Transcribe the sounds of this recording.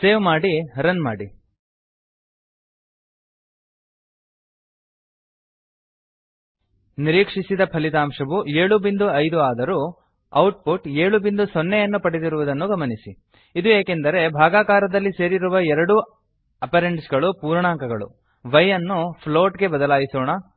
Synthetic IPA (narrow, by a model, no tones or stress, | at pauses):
se̞ːʋmaːɽiɐɾɐnma̰ːɽi | niɾiːkʂisid̪ɐpʰɐlit̪aːmʂɐʋueːɭubind̪uɐjd̪uaːd̪ɐɾu | ɐwʈpuʈeːɭubind̪usonːejɐnːupɐɽid̪iɾuʋud̪ɐnːuɡɐmɐnisi | id̪ueːke̞nd̪ɐɾe̞bʱaːɡaːkaːɾɐd̪ɐlːise̞ːɾiɾuʋɐɛɾɐɽu | ɐpɐɾeɳɖsɡɐɭupuːɾɳaːŋkɐɡɐɭṵ | ʋɐjːɐnːupʰlo̞ːʈɡe̞bɐd̪ɐlaːjisɔːɳɐ